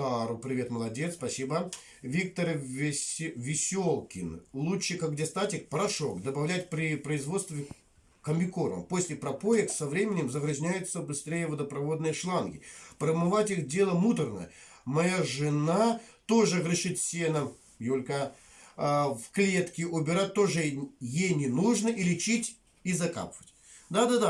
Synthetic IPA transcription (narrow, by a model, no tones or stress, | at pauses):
aɾupɾʲɪvʲe̞t̪məlˠɐdʲet̪spɐsʲibə | vʲik̚t̪ər | vʲɪsʲolˠkʲɪnlˠuɨkaɡɡdʲest̪atʲɪk̚pɾɐʂokd̪əbɐvlʲæt̚ʲpɾʲɪpɾəɪzvo̞t̪st̪vʲ | kəmʲbʲɪkoɾə̰mpo̞sʲlʲɪpɾɐpojɪksɐvɾʲemʲɪnʲɪmzəɣɾɨzʲnʲæjʊt̪səbɨst̪ɾʲejəvəd̪əpɾɐvo̞d̪nɨjəʂlˠanɡʲɪpɾəmɨvatʲixdʲe̞lˠəmut̪ərnə̰mɐjaʐɨnat̪o̞ʐɨɣɾɨʂɨt̪ʲsʲenə | jolʲka | fklʲe̞t̪kʲɪʔʊbʲɪɾat̚ʲt̪ːo̞ʐɨjejnʲɪnuʐnəʔilʲɪt͡ɕitʲ | izɐka̰pvətʲ | d̪ad̪ad̪a